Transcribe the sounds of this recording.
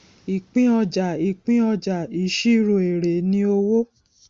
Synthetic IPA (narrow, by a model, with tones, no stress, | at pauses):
i˨k͡pĩ˦ɔ˧d͡ʒa˨i˨k͡pĩ˦ɔ˧d͡ʒa˨i˨˦ʃi˦˨ɾo˨e˨ɾe˨nĩ˧o˧wo˦